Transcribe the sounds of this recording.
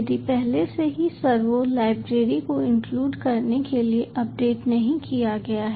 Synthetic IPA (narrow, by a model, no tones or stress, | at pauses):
d̪ipɛɦleseɦisɐɾʋolaːɪbɾeːɾikoɪ̃ŋkluːɖkɐɾnekelieʔɐp̚ɖeːʈnɐɦĩkijaɡɐjaɦɛ